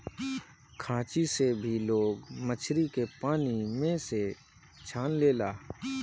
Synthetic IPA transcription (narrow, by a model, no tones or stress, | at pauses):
kʰãːt͡ʃisebʱiloːɡmət͡ʃʰɾikepaːnimẽse | t͡ʃʰaːnleːlaː